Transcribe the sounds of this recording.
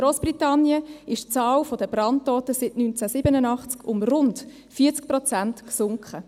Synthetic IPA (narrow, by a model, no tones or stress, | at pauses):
ɾoːsb̥ritɑnːjəɪʃt͡sɑːwfɔdəbrɑnttːɔːtəsɪtnynt͡sæsɪbənənɑχt͡skʊmrʊnd | fiːət͡sk̚prɔt͡sæntksʊŋkχə